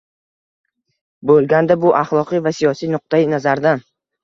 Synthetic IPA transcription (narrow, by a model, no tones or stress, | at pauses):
bolˠɡʲand̪abʊʔaχlˠɒqɨjvasijɒsijnʊq̚t̪ajinazaɾd̪an